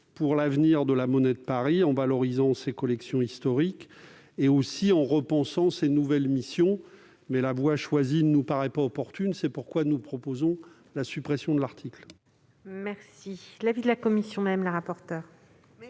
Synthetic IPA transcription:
puʁlavniʁd̪əlamɔnɛd̪əpaʁiɑ̃valɔʁizɑ̃sekɔlɛksjɔ̃ist̪ɔʁik | eosiɑ̃ʁəpɑ̃sɑ̃senuvɛlmisjɔ̃ | mɛlavwaʃwazinənupaʁɛpaɔpɔʁt̪ynsɛpuʁkwanupχɔpozɔ̃ | lasypχɛsjɔ̃d̪əlaʁt̪ʰikl | mɛʁsilavid̪əlakɔmisjɔ̃mɛmlaʁapɔʁt̪œːʁ

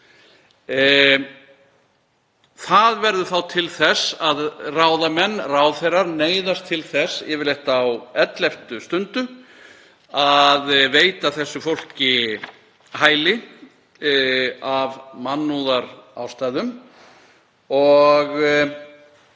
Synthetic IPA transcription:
θaðvɛɾðʏθawt̪ʰɪlθɛsːaðraːwðamɛnːraːwðθejrːaɾneːjðast̪ʰɪlθɛsːjɛvɪlɛht̪aːwɛt̪lɛft̪ʏst̪ʏnt̪ʏ | aðveːjt̪aθɛsːʏfowl̥cɪ | haːjlɪ | avmanːuðaɾawst̪ajðʏm | ɔɣ

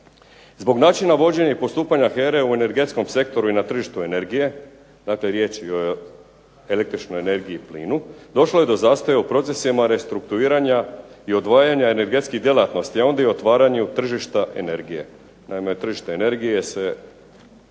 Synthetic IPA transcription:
zbo̞ɡnaːt͡ʃinaʋo̞d͡ʑe̞ɲaipo̞st̪uːpaɲaxe̞ɾeue̞ne̞ɾɡe̞t̪sko̞mse̞kt̪o̞ɾuinat̪r̩ʒiʃt̪ue̞ne̞ɾɡije̞ | d̪aːkle̞ɾje̞t͡ʃio | e̞le̞k̚t̪ɾit͡ʃno̞jene̞ɾɡiiplḭːnud̪o̞ʃlo̞je̞d̪o̞zaːst̪ojeupɾo̞t̪se̞simaɾe̞st̪ɾukt̪uiːɾaɲaio̞d̪ʋaːjaɲae̞ne̞ɾɡe̞t̪skid̪je̞lat̪no̞st̪iao̞nd̪aiot̪ʋaːɾaɲut̪r̩ʒiʃt̪aʔene̞ɾɡije̞̰ | naime̞t̪r̩ʒiʃt̪aene̞ɾɡijese̞

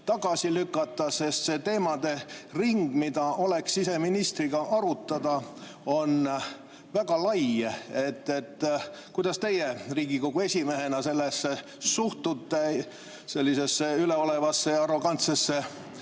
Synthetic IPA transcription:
t̪ɑɡ̥ɑsilykːˑɑt̪ˑːɑse̞st̪se̞t̪e̞ːmɑd̪̥e̞riŋɡ̥mid̪ɑʔo̞le̞ksise̞minist̪riɡ̥ɑʔɑɾut̪ːˑɑd̪̥ɑ | o̞n | væɡ̥ɑlɑje̞t̪ːe̞t̪ː | kujd̪̥ɑst̪e̞jeriːɡ̥iko̞ɡ̥ue̞sʲime̞ɦe̞nɑse̞lːesːe | suht̪ut̪ːe | se̞lʲːise̞sːeyleo̞le̞vɑsːe̞ɑro̞ɡ̥ɑnt̪sesːe

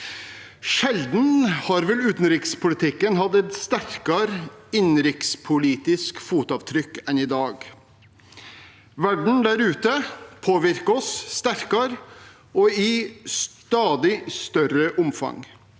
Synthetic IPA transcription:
ʃɛld̪n̩hɑɾʋɛlʉːt̪n̩ɾɪːkspʰʊlɪt̪ʰɪkːənɦɑd̪ɛt̪st̪æɾkɑɾɪnɾɪkspʰʊliːt̪ɪskfuːt̪ɑːʋt̪ʰɾʏkːɛnɪd̪ɑːɡ | ʋæɖɳ̩d̪æɾʉːt̪əpʰoːʋɪɾkɔsːt̪æɾkɑɾ | ɔɪst̪ɑːd̪ɪst̪œrəʔʊmfɑ̰ŋ

